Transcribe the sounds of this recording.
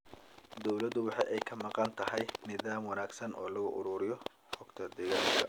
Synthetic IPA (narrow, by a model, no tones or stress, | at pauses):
d̪ɔwlɐd̪ʊwɑħɑjɛjkʰɐmɑqɑnt̪ʰɐɦɛjnɪðaːmwɑnaːɡsɐnʔɔːlɐɣʊʔʊɾuːɾɪjɔ | ħɔɡ̥t̪ʰɐd̪ɪɣɐkɐ